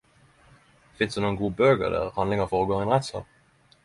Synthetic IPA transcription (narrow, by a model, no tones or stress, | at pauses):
fɪnsd̪ʉnuːənɡuːəbøːɡə̰ʁd̪æ̰ːʁhɑnd̪lɪŋəfɔʁɔːɡoːɛɪnʁɛt̪sɑ̰ːp̚